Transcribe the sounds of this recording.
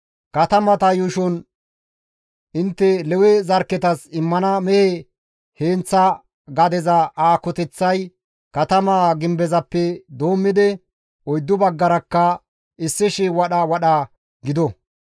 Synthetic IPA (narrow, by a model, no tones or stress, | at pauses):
kɐt̪ɐmɐt̪ɐjʊʃɔn | ɪnt̪ːɛlɛwɛzɐɾkːɛt̪ɐsɪmːɐnɐmɛe | heːnt͡sːɐ | ɡɐd̪ɛzɐaːkɔt̪ɛt͡sːɐj | kɐt̪ɐmaːɡɪmbɛzɐpːɛd̪oːmːɪd̪ɛ | ɔjd̪ːʊbɐɡːɐɾɐkːɐ | ɪsːɪʃɪwɐɗɐwɐɗɐ | ɡɪd̪ɔ